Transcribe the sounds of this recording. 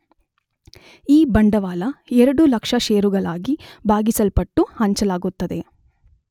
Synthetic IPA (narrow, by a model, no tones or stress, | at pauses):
iːbɐɳɖɐʋaːlɐɛɾɐɽulɐkʂɐʃeːɾuɡɐɭaːɡibʱaːɡisɐlpɐʈːuhɐɲt͡ʃɐlaːɡut̪ːɐd̪e̞